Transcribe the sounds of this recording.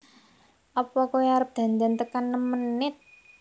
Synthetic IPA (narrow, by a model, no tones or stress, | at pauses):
ʔɔpɔkueaɾəp̚d̪̥a̤nd̪ant̪əkanːəmənɪt̪̚